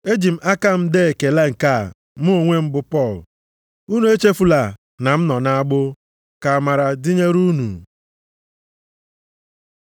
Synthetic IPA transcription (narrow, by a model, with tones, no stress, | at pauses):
e˦d͡ʒi˨m̩˦ʔa˦ka˦m̩˦de˦e˨ke˨la˦˨ŋ̩˨ka˦˨ | m˦o˦o˨ŋʷe˦m̩˦bʊ˦pɔ˦˨l | u˦nu˨˦e˦t͡ʃe˦fu˦la˨ | na˨m̩˦nɔ˨na˦a˦ɡ͡bʊ˦ | ka˨ma˨ɾa˨di˦ɲe˦ɾu˦nṵ˨